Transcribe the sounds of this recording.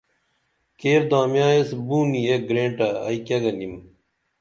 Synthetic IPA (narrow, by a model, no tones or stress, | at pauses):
keːɾd̪ãːmjãːesbuːmieɡɾẽːɳʈaɐ̰ikɐɡɐnd̪im